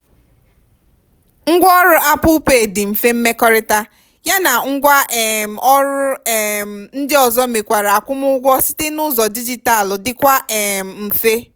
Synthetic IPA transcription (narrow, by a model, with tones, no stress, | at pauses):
ŋ̩˦ɡʷɔ˦ɔ˦ɾʊ˦ʔa˦pʊ˦pe˦˨dɪ˨m̩˨fe˦m̩˦me˦kɔ˦ɾɪ˦ta˦ | ja˦na˨ŋ̩˦ɡʷa˦ʔɛ˨m̩˨ɔ˦ɾʊ˦ɛ˨m̩˨n̩˦dɪ˦ɔ˨zɔ˦me˨kʷa˨ɾa˨a˨kʷʊ˦mʊ˦ʊ˦ɡʷɔ˦si̥˦te˦nʊ˦zɔ˨di˦d͡ʒi˦ta˦˨lʊ˨dɪ˨kʷa˦ʔɛ˨m̩˨m̩˨fe˦